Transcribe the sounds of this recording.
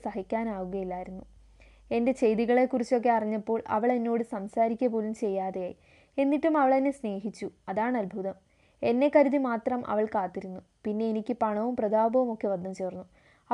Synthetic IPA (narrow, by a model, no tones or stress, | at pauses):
sɐɦikʲːaːnaːɣuɣɐjilːaːjiɾunːu | e̞nde̞t͡ɕe̞jðiɣɐɭe̞kurit͡ɕːo̞k̬ːe̞ɐriɲːɐpːo̞ːɭɐ̰ʋɐɭe̞nːo̞ːɽɨsɐmsaːɾikʲːɐpo̞ːlumt͡ɕe̞jːaːðejaːji | e̞nːiʈːumɐʋɐɭɐðinːesne̞ːɦit͡ɕːuɐðaːɳɐlbʱuðɐm | e̞nːe̞kɐɾuðimaːt̪rɐmʔɐ̰ʋɐɭkaːt̪ːiɾunːu | pinːe̞ːnikʲːɨpɐɳɐʋumprɐd̪aːbʱɐʋumo̞kːe̞ʋɐd̪nɐmt͡ɕe̞ːrnːu | ɐ